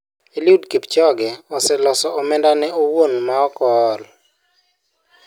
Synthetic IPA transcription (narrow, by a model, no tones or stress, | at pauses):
eliudkipt͡ʃɔɡɛɔsɛlɔsɔɔmɛndanɛowonmaɔkɔl